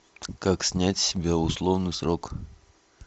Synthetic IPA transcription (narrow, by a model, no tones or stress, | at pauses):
kaksʲnʲætʲsʲɪbʲaʊslˠovnɨsɾɔk